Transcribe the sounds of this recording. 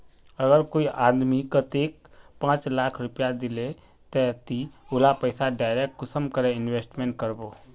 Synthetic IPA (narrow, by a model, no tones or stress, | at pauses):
əɡəɾkoːiʔaːd̪mikət̪eːk̚pãːt͡ʃlaːkʰɾʊpjad̪ɪle | t̪ɛt̪iʊlapəɪsaɖaːɪɾek̚ʈkʊsəmkəɾeɪnweːsʈmẽːɳʈ̚kəɾboː